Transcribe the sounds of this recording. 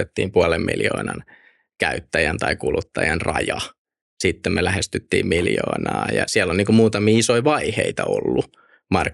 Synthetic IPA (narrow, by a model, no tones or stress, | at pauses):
et̪ːḭːmpuɑlemːmḭljo̰ːnɑn | kæyt̪ːæjænt̪ɑikulut̪ːɑjɑnrɑjɑ | sit̪ːemmelæhest̪yt̪ːiːmmiljo̰ːnɑːjɑ̰siælːolniːŋkummuːt̪ɑmiːisoiʋɑiheit̪ɑolːu | mɑr